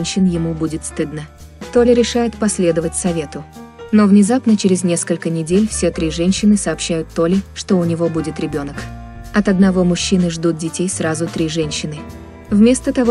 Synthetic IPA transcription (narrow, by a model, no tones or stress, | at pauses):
nʲɕːɪnjɪmubudʲɪt̪st̪ɨd̪nə | t̪o̞lʲɪɾʲɪʂajɪt̪pɐsʲlʲe̞d̪əvətʲsɐvʲe̞t̪ʊ | no̞vnʲɪzapnət͡ɕɪɾʲɪzʲnʲe̞skəlʲkənʲɪdʲelʲfsʲet̪ɾʲiʐɛnʲɕːɪnɨsəːpɕːæjʊt̪ːo̞lʲɪʂt̪o̞ʊnʲɪvo̞budʲɪt̪ɾʲɪbʲo̞nək | ɐt̪ɐd̪nɐvo̞mʊɕːinɨʐd̪ut̪̚dʲɪtʲejsrazʊt̪ɾʲiʐɛnʲɕːɪnɨ | vmʲe̞st̪ət̪ɐvo